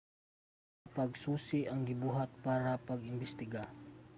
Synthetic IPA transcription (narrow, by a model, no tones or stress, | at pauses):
pɐɡsuːsɪʔɐŋɡɪbuːɦɐt̪̚paːɾɐpɐɡɪmbɪst̪ɪɡa